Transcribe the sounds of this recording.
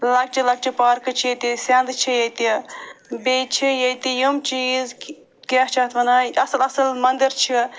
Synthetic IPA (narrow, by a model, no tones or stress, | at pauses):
lɐk̚t͡ʃʰilɐk̚t͡ʃʰipaːɾkɨt͡ʃʰijɐt̪isʲɐnd̪t͡ʃʰijɐt̪ibet͡ʃʰijɐt̪ijumt͡ʃiːz | kat͡ʃʰaːt̪ʰʋɐnaːɐsɐlɐsɐlmɐnd̪əɾt͡ʃʰi